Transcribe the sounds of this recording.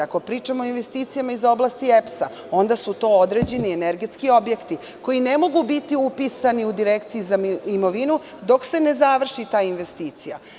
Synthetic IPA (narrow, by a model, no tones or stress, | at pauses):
ako̞pɾiːt͡ʃamoinʋe̞st̪iːt̪sijamaizo̞blˠast̪iepsa | o̞nd̪asut̪o̞ːod̪ɾe̞ːd͡ʑe̞nieneɾɡe̞t̪skio̞bje̞kt̪i | ko̞jine̞mo̞ɡubit̪iupisaniud̪iɾekt̪sijizaimo̞ʋinu | d̪o̞kse̞ne̞zaʋr̩ʃit̪aːinʋe̞st̪iːt̪sija̰